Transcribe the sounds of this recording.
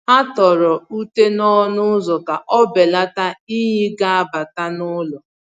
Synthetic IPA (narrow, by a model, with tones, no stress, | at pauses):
a˦tɔ˨ɾɔ˨u˦te˦nɔ˦nʊ˦zɔ˨ka˨ʔɔ˦be˨la˦ta˦i˦ɦi˦ɡa˦a˦ba˨ta˦nʊ˦lɔ˨